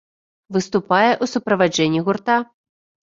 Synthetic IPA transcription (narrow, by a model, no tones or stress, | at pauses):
vɨst̪upajɛʔusupɾɐvad͡ʐɛnʲːiɣurt̪a